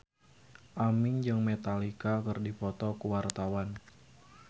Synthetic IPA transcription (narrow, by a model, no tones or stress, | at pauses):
ʔamɪŋd͡ʒɨŋmet̪alikakɨrdipɔt̪ɔkuwart̪awan